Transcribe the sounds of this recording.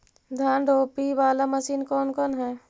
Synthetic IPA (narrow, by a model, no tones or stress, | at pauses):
d̪ʱjaːnɖoːpiʋaːlaməsiːnkɔːnkɔːnɦɛː